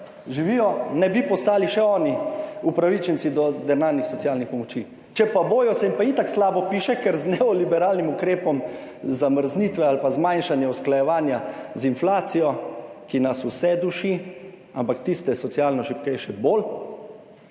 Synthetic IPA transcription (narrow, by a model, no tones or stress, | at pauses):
ʒiʋijɔnɛbipɔst̪aːliʃɛɔːniupɾaʋit͡ʃɛnt̪sid̪ɔd̪ɛnaːnixsɔtsjaːlnixpɔmɔt͡ʃi | t͡ʃɛpaboːjɔsɛimpait̪akslaːbɔpiːʃɛkɛɾznɛɔlibɛɾaːlnimukɾeːpɔm | zaməɾzniːt̪ʋɛalpazmajnʃanjɛusklajɛʋaːnjazinflaːt̪sijɔkinasusɛd̪uʃi | ampakt̪ist̪ɛsɔtsjalnɔʃipkɛjʃɛbol